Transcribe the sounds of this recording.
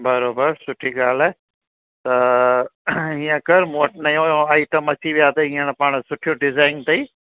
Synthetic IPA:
bɐɾoːbəɾsʊʈʰiɡaːlɛː | t̪ɐ | ɦĩjãkɐɾmoːʈnɐjõːjõaːɪʈəmɐt͡ʃiʋijaːt̪ɐɦĩːãnpaːɳ̃sʊʈʰijoɖɪzaːɪnt̪ɐiː

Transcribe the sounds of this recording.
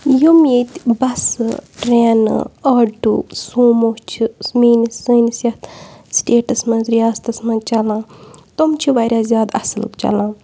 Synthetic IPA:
jumet̪ʲbɐsʈɾɛːn̰ɐːʈusoːmot͡ʃʰismiːnisənisjɐt̪sʈeːʈɐsmɐ̃nzɾijaːst̪ɐsmɐ̃nzt͡ʃɐlãːt̪omt͡ʃʰiʋaːɾʲaːzjaːd̪ɐ̰slɨ̰kt͡ʃɐ̰lãː

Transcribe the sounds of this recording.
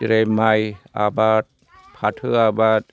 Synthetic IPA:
ɾemaja̰baːt̪̚ | pʰat̪ʰɯabaːt̪̚

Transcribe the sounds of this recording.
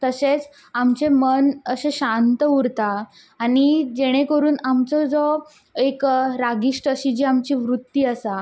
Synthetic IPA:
t̪əset͡s | amt͡ɕemənəɕẽɕãnt̪əuɾt̪aː | ɽ̃id͡ʑeɽ̃ekəɾuːnamt͡sɔd͡zɔ | ekɾaɡiʂʈəɕid͡ʑiamt͡ɕiːʋɾut̪ːiːəsa

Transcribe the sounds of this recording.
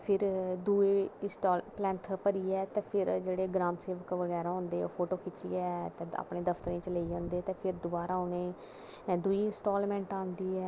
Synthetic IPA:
pʰɪɾd̪ueːsʈɔːlplɛ̃ːnt̪ʰpəɾiːɛːt̪ẽːpʰɪɾd͡ʒeːɽeːɡɾãːmseːʋəkʋəɡɛːɾaːɦʊ̃ːnd̪ḛːpʰoːʈoːkʰɪt͡ʃːḭːɛːt̪ẽːa̰pɳeːd̪əpʰt̪əɾẽːt͡ʃəleːiːãːnd̪eːt̪ẽːpʰɪɾd̪ʊbaːɾaːoneː | d̪uiːɪnsʈɔːlmɛ̃ːɳʈãːnd̪iːɛː

